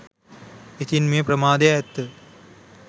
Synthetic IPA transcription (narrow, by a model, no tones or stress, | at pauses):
et̪inmeːpɾɐmaːd̪ɐjaɛt̪ːə